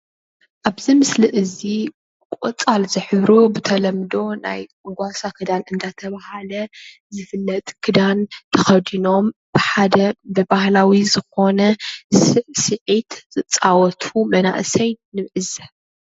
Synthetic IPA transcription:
ʔaβzimɨsliʔɨzi | kkʷʼot͡sʼalzɨħɨβɾobɨt̪ʰɐlɐmd̪o̞na̰j | ɡʷasakʰɨd̪anɨnd̪at̪ʰɐβahalɐ | zɨfɨlːɐt̪ʼkʰɨd̪ant̪ʰɐxɐd̪ino̞mb̥ɨħad̪ɐbɨbahlawizɨxo̞nɐsɨʕsɨʕit̪z̥ɨt͡sʼawɔt̪ʰumɐna̰ʔsɐjnɨmʕɨzɐ

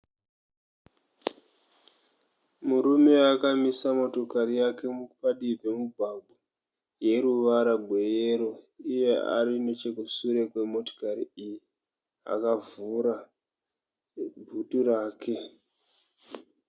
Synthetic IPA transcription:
muɾume̞akamisamoto̞kaɾijake̞mupaɗibʱe̞mubʱabʱu | je̞ɾuʋaɾabʱwe̞jeɾo̞ije̞a̰ɾinot͡ʃe̞kusuɾe̞kwe̞mo̞to̥kaɾiiji | a̰kavuɾa | bʱuturaːkʰe̞

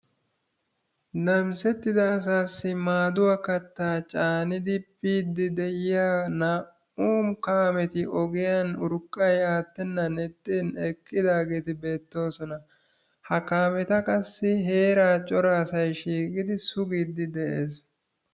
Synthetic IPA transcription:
nɐmsɛt̪ːɪd̪ɐːs̬aːsːɪmaːd̪ʊwakɐt̪ːaːt͡ʃʼaːnɪd̪ɪpiːd̪ːɪd̪ɛjɪjaːnaː | uːmkaːmɛt̪ɪʔɔɡɪjanʊɾkʼːɐjaːt̪ːɛnːɐnɛt̪ʼːinɛkʼːɪd̪aːɡe̞ːt̪ɪbe̞ːt̪ːo̞ːsɔnɐ | hɐkaːmɛt̪ɐkʼɐsːɪɦe̞ːɾaːt͡ʃʼɔɾɐːsɐjʃiːkʼɪd̪ɪsʊɡiːd̪ɪd̪ɛʔeːs

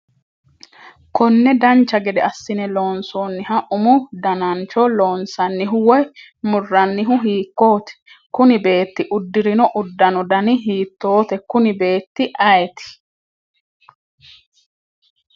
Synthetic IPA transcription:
kɔnːɛd̪ɐnt͡ʃːɐɡɛd̪ɛɐsːɪnɛloːnsoːnːɪɦɐʔʊmʊd̪ɐnɐnt͡ʃɔlo̞ːnsɐnːɪɦʊwɔj | mʊrːɐnːɪɦʊɦiːkːo̞ːt̪ɛ̥ | kʊnɪbe̞ːt̪ːɪʔʊd̪ːɪɾɪnɔʔʊd̪ːɐnɔd̪ɐnɪɦiːt̪ːo̞ːt̪ɛkʊnɪbe̞ːt̪ːɪʔɐjt̪ɪ̥

